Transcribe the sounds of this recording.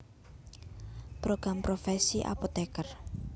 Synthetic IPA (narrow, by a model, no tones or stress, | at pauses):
pɾoɡ̥ɾampɾofɛsiʔa̰pot̪ɛkər